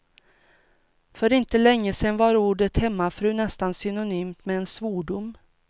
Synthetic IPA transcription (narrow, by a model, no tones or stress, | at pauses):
fœɾɪnt̪əlɛŋːəsɛnvaɾuːɖət̪hɛmːafɾʉ̟ːnɛst̪ansʏnʊnyːmt̪mɛːnsvoːɖʊm